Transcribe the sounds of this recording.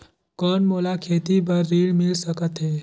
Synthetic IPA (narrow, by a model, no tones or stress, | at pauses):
kənmolakʰet̪ibəɾːiɭmilsəkət̪ɦe